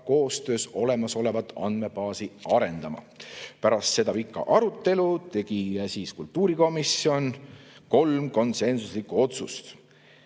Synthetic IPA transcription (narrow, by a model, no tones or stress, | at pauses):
ko̞ːst̪ø̞ːso̞le̞mɑso̞le̞vɑt̪ːˑɑ̰nd̪̥me̞pɑːsiɑɾe̞nd̪̥ɑmɑ̰ | pæɾɑst̪se̞d̪ɑpikːɑ̰ʔɑɾut̪ːe̞lut̪e̞ɡ̥isiːskult̪ːˑuːɾiko̞misjo̞nko̞lmko̞nse̞nsuslikːuo̞t̪sust̪